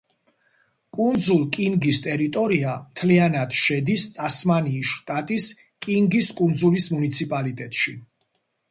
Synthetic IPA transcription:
kʼund̪zulˠkʼiŋɡist̪ʼɛɾit̪ʼɔɾiamt̪ʰlianad̪̥ʃɛd̪ist̪ʼasmaniːsʃt̪ʼat̪ʼis | kʼiŋɡiskʼund̪zulismunit̪sʰipʼalit̪ʼɛt̪ʼʃi

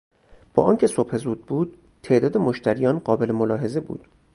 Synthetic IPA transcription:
b̥ɒ̰ːʔɒːncʰe̞sobhe̞zuːd̪̚buːd̪̥̚ | t̪ʰːe̞ʔd̪ɒːd̪e̞moʃt̪ʰæɾijɒːnɢɒːbe̞lemolɒːɦe̞ze̞bṵːd̪̥

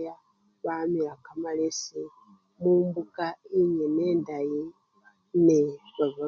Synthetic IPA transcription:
ja | βamiɾakamalese | muːmbukaiɲeneːndaji | neβaβa

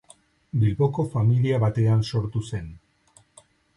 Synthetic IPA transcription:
bilβo̞ko̞familiaβat̪e̞anso̞ɾt̪use̞n

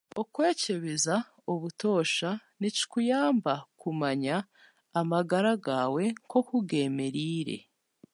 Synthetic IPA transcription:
okwe̞ːce̞βeza | oβuto̞ːʃanici̥kujaːmbakumaɲaː | maɡaɾaɡaːwe̞ŋko̞kuɡe̞me̞ɾiɾe̞̰

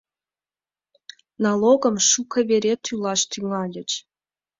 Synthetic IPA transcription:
nɑlˠoɣə̆mʃukə̆βeɾʲet̪ʰylɑʃt̪yŋɑlʲə̆t͡ɕ

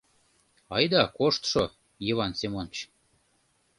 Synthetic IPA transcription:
ɑjd̪ɑkoʃt̪ʃo | jeβɑnsemont͡ɕ

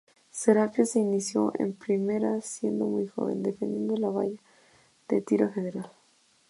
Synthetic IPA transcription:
seɾapjaseinisjo̞̰ʔḛmpɾime̞ɾasje̞nd̪o̞mujxo̞̰βe̞nd̪e̞fend̪je̞nd̪olaβa̰ʝa | ð̥et̪iɾafeðeɾal

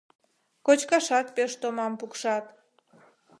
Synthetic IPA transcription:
kot͡ɕkɑʃɑt̪̚peʃt̪omɑmpukʃɑt̪

